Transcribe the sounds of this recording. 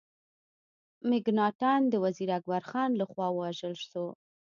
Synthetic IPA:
mɪɡnɑʈɑnd̪əwaziɾaɡwaɾxɑnlaxwɑwəwaʒəlʃo

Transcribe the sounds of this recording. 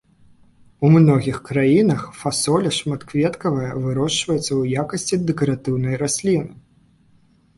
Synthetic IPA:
umnɔɣʲixkɾajinɐxfasɔlʲɐʂmat̪kvʲɛt̪kɐvɐjɐvɨɾɔʂt͡ʂvɐjɛt̪sːɐwjakɐsʲt͡sʲid̪ɛkɐɾat̪ɨwnɐjɾasʲlʲinɨ

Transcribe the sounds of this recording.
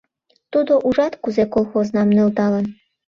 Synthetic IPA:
t̪ud̪oʔuʐɑt̪kuzɛkolˠxoznɑmnɨ̆lˠt̪ɑlˠɤn

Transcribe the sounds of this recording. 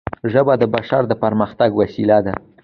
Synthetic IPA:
ʒəbad̪əbaʃaɾd̪əpaɾməxt̪aɡwasilad̪a

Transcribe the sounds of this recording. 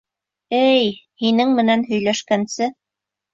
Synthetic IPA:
ɘjhinɘŋmɘ̆nænɦɵ̆jlæʃkænsɘ

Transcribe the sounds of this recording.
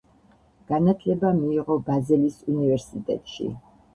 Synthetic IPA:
ɡ̥anat̪ʰlɛbamiːʁɔbazɛlisunivɛɾsit̪ʼɛ̰t̪ʼʃḭ

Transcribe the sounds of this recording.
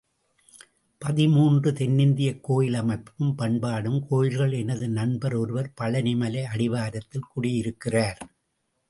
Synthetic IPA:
pɐðɪmuːndrɯt̪ɛnːɪnd̪ɪjɐkːoːjɪlɐmɐɪpːɯmpɐɳbaːɽɯmkoːjɪlɣɐɭɛnɐðɯnɐnbɐɾɔɾɯʋɐɾpɐlɐnɪmɐlɐɪɐɽɪʋaːɾɐt̪ːɪlkʊɽɪjɪɾɯkːɪraːɾ

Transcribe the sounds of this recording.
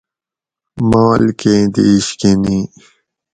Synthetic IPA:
maːlked̪iːɕkeni

